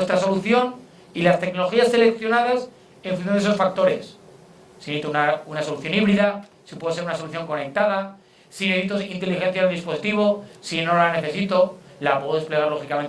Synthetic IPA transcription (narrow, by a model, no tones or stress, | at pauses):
est̪ɾaso̞luθjo̞n | ilast̪e̞kno̞lo̞xiasːe̞le̞kθjo̞nað̞as | eɱfunθjõnesosfak̚t̪o̞ɾe̞̰sː | init̪unaunaso̞luθjo̞niβɾiða | sipweðos̬eunaso̞luθjo̞ŋko̞ne̞k̚t̪að̞a | sineβit̪osint̪elixe̞nθjaelðispo̞sit̪iβosino̞lane̞θe̞sit̪o̞lapwoðoðespleɣ̞aɾlo̞xikamẽnt̪